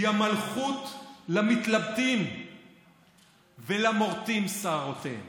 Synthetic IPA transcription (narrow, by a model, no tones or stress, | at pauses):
amalχut̪lamit̪labt̪im | velamoʁt̪imsaʁot̪ḛ